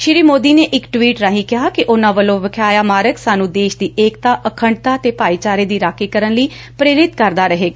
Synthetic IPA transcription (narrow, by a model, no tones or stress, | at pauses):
ʃɪɾiːmoːd̪iːneːʔɪkʈwiːʈɾaːɦĩːkɪɦaːkɪʔʊnãːʋəlõːʋəkʰaːjaːmaːɾəksaːnũːd̪eːʃd̪iːʔeːkt̪aːʔəkʰəɳɖt̪aːt̪eːpaːiːt͡ʃaːɾeːd̪iːɾaːkeːkəɾənləiː | pɾeːɾɪt̪kəɾd̪aːɾəɦeːɡ